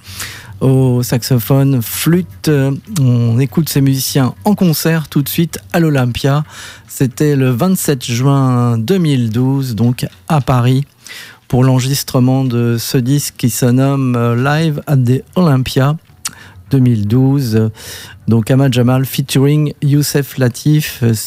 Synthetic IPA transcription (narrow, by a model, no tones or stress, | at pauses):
osaksɔfɔnflyt̪ɔ̃nekut̪semyzisjɛ̃ɑ̃kɔ̃sɛʁt̪ut̪sɥit̪alɔlɛ̃pjaset̪ɛləvɛ̃t̪sɛt̪ʒɥɛ̃d̪əmild̪uzd̪ɔ̃k | apaʁi | puʁlɑ̃ʁʒist̪χəmɑ̃d̪əsəd̪iskːisənɔmlajvad̪eɔlɛ̃pja | d̪̥əmild̪uz | d̪ɔ̃kamaʒamalfit̪yʁiŋjusɛflat̪ʰif